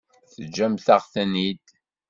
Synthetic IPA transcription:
θəd͡ʒːæmθaʁθænid̪

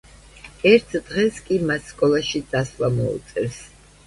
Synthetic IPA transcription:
ɛɾt̪ʰd̪̥ʁɛskʼimasːkʼɔlˠaʃid̪aslamɔṵt̪sʼɛɾs

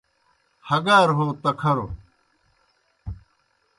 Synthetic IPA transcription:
hɐɡaːɾɦoːt̪ɐkʰɐɾo

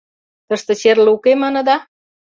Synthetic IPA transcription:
t̪əʃt̪ə̆t͡ɕerlukemɑnə̆d̪ɑ

